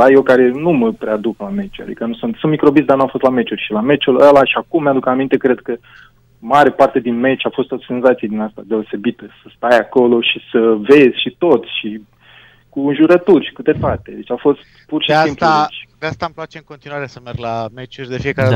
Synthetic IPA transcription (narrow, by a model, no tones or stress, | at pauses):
d̪ajekaɾe̞numəpɾead̪uklame̞t͡ʃua̰d̪ḭkənusunt̪sunt̪mikɾo̞bizd̪arnuafo̞st̪lame̞t͡ʃurʲʃilame̞t͡ʃuləlaʃiakumːjad̪ukamint̪e̞kɾe̞d̪̚kə | maɾe̞part̪e̞d̪inme̞t͡ʃafo̞st̪ot̪se̞nzat̪sied̪inast̪a̰d̪e̞o̞se̞bit̪əsəst̪ajako̞lo̞ʃisəve̞zʲʃit̪o̞t̪sʲʃi | kuɨnʒuɾət̪urʲʃi̥kɨt̪e̞t̪at̪e̞d̪et͡ʃafo̞st̪purʃieaimplet͡ʃʲd̪east̪amplat͡ʃeɨŋkot̪inuaɾesəmerɡlamet͡ʃurʲd̪efiekaɾe